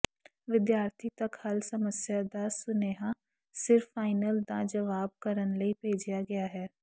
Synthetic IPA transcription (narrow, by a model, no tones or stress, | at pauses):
ʋɪd̪jaːɾt̪ʰit̪ɐkhɐlsɐməsjad̪asʊneːɦã | sɪɾfːaːɪnəld̪ad͡ʒɐʋaːb̚kɐɾənləibʱeːd͡ʒijaɡɐjaɦɛː